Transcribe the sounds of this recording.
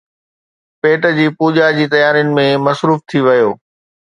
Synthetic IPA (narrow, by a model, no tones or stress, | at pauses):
peːʈəd͡ʑiːpuːʄad͡ʑiːt̪ɐjaːɾijʊnɪ̆mẽmɐsɾuːft̪ʰiʋɐjoː